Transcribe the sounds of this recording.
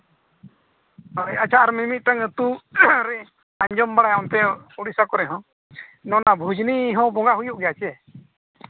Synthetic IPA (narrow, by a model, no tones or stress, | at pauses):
ɦɔjat͡ʃʰaʔaɾmimit̪̚ˀt̪aŋət̪uɾɛ | aɲd͡ʒɔmbaɽajɔnt̪ɛuɽisakɔɾɛɦɔ̃ | nɔnabʱud͡ʒniɦɔ̃bɔŋɡaɦujuʔɡɛjat͡ʃɛ